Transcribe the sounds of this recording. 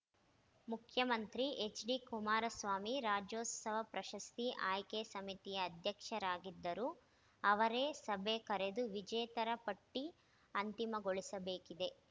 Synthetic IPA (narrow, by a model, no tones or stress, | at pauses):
mukʰjɐmɐnt̪ɾiʔet͡ʃɖikumaːɾɐsʋaːmiɾaːd͡ʒoːt̪sɐʋɐpɾɐʃɐst̪iʔaːjkesɐmit̪ijɐːd̪ʱjɐkʂɐɾaːɡid̪ːɐɾuː | ɐʋɐɾeːsɐbʱekɐɾed̪uʋid͡ʒɛːt̪ɐɾɐpɐʈːi | ɐnt̪imɐɡoɭisɐbeːkid̪e̞